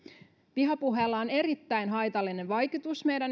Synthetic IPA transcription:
piɦɑpuɦelːɑone̞ɾit̪ːæjnɦɑjt̪ɑlːine̞nʋɑjkut̪usme̞jdæn

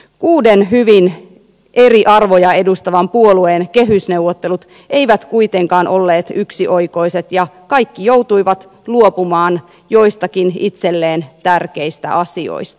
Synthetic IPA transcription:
kuːdenɦyʋin | ʔe̞riʔɑrʋojɑe̞dust̪ɑʋɑmpuolueːnkeɦysne̞uʋot̪ːe̞lut̪ | ʔe̞iʋæt̪kuit̪e̞ŋkɑːnʔo̞lːeːt̪yksiʔojko̞ise̞t̪jɑkɑjkːijowt̪ujʋɑt̪ | luopumɑːn | jo̞ist̪ɑkinit̪selːeːnt̪ærkeist̪æ̰ʔɑsio̰ist̪ɑ̥

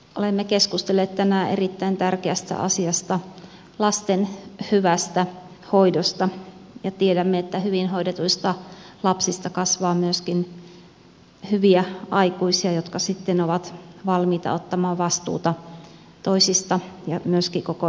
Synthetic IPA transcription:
ʔolemːekeskust̪elːeːt̪t̪ænæːʔerit̪ːæint̪ærkeæst̪æ̰ʔɑ̰siɑst̪ɑ | lɑst̪enhyʋæst̪æ | hoidost̪ɑjɑt̪iedæmːeet̪ːæhyʋinhoidet̪uist̪ɑlɑpsist̪ɑkɑsʋɑːmyøskin | hyʋiæɑikuisiɑjot̪kɑsit̪ːenoʋɑt̪ʋɑlmiːt̪ɑ̰ot̪ːɑmɑːʋɑst̪ṵːt̪ɑ | t̪oisist̪ɑjɑmyøskikoko

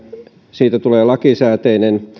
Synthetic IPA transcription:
siːt̪æt̪uleːlɑkisæːt̪einen

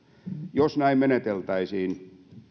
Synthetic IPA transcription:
josnæimmenet̪elt̪ɑisiːn

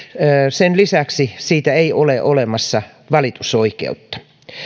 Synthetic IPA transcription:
senlisæksisiːt̪æeioleʔolemɑsːɑ | ʋɑlit̪u̥soikḛut̪ːɑ̥

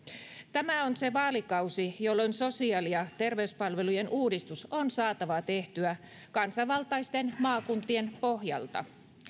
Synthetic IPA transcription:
t̪æmæonse̞ʋɑːlikɑwsijolːonso̞siɑːlijɑt̪e̞rʋe̞yspɑlʋe̞lujenʔuːdist̪usonsɑːt̪ɑʋɑt̪e̞ht̪yæ | kɑnsɑʋɑlt̪ɑjst̪e̞nmɑːkunt̪ie̞npo̞ɦjɑ̰lt̪ɑ̰

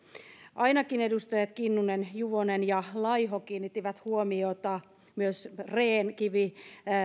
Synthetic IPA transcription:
ʔɑinɑkinedust̪ɑjɑt̪kinːunenjuʋonenjɑlɑiɦokiːnːit̪ːiʋæt̪huomiot̪ɑ | myøsreːnkiʋi

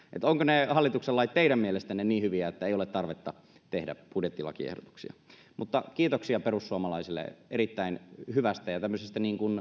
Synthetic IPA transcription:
ʔḛt̪oŋkonehɑlːit̪ukselːɑit̪t̪ːeiɾæmmielest̪ænːenniːhyʋiæet̪ːæeˑijolet̪t̪ɑrʋet̪ːɑ | t̪ehdæ̰pudjet̪ːilɑ̰kiḛhdo̰t̪u̥ksiɑ̰ | mut̪ːɑkiːt̪oksiɑperusːuɑmɑlɑisilːḛʔeɾit̪ːæinhyʋæst̪æjɑt̪æmːøsest̪æniːŋkun

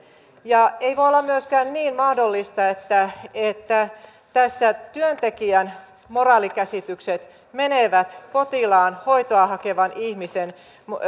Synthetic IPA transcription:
jɑeiʋojolːɑmmyøskæːnniːnmɑhdolːist̪ɑet̪ːæet̪ːæ | t̪æsːæt̪yønt̪ekiæn | morɑːlikæsit̪ykset̪ | meneʋæt̪po̞t̪ilɑːnho̞it̪oɑhɑkeʋɑnihmisen | m

